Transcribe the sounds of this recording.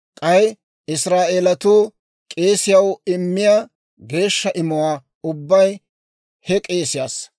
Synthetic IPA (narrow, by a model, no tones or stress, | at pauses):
kʼɐj | ɪsɾaːʔeːlɐt̪uː | kʼe̞ːsɪjɐwɪmːɪjaː | ɡe̞ːʃːɐʔɪmʊwaː | ʊbːɐj | hɛkʼe̞ːsɪjaːs